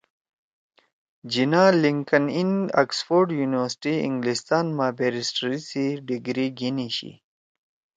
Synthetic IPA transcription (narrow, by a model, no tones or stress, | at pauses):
d͡ʑinaːliŋkənina̰ksfoɾɖjuːniwəɾsʈiḭ̃ŋɡlist̪aːnmaːbeːɾisʈɾisiɖiɡɾiɡiniɕḭ